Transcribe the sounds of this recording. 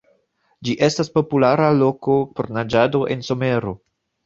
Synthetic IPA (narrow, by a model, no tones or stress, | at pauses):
d͡ʒiʔe̞staspo̞pulaɾalo̞kopoɾnad͡ʒado̞ʔe̞nso̞me̞ɾo̞